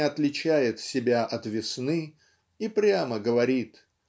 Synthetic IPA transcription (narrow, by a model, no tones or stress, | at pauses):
ɪɐt̪lʲɪt͡ɕæjɪt̪sʲɪbʲaʔɐt̪vʲɪsnɨ | ipɾʲaməɡəvɐɾʲit̪